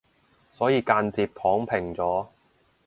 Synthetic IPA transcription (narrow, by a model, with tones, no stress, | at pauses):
sɔː˨˥jiː˧kaː˧nt͡siː˧p̚t̪ʰɔː˨˥ŋpʰɪ˨˩ŋt͡sɔː˨˥